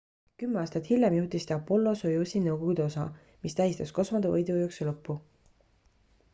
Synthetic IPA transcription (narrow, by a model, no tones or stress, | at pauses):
kymːeɑːst̪ɑt̪hilːemjuht̪ist̪ɑpːo̞lːo̞sojusʲinɤwɡ̥oɡ̥ud̪̥eo̞sɑ̰ | mist̪æjist̪ɑsko̞smɑd̪̥evɤ̰jd̪uojukselɤpːu